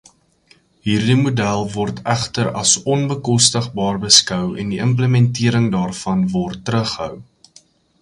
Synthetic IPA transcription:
ɦiːrdimudælˠvɔrtʰæχtəɾɐ̰sɔnbəkɔstəχbɑːrbəskœwɛ̰ndiəmp̬ləmɛntiəɾəŋdɑːrfɐnvɔrtːəɾəχəɦœ̰w

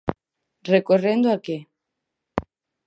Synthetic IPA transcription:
rekorend̪oake

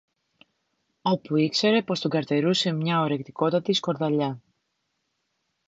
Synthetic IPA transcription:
o̞puikse̞ɾe̞po̞st̪uɡɐɾt̪e̞ɾuse̞mɲɐoɾe̞kt̪iko̞t̪ɐt̪isko̞ɾðɐʎɐ

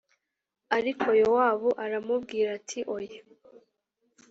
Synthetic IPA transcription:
aɾikʰo̞jowaːβuʔaɾamubɡiːɾatʰiʔoje

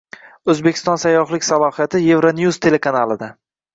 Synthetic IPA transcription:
ɵzbe̞kʲʰɪ̥st̪ɒnsajːɒχlɪkʲsalˠɒhijat̪ʰɪje̞vɾonjuzt̪ʰe̞le̞kʰanalɪd̪a

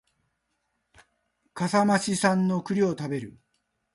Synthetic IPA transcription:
kasamaɕisãnːo̞kɯ̟ɾʲio̞t̪abe̞ɾɯ̟

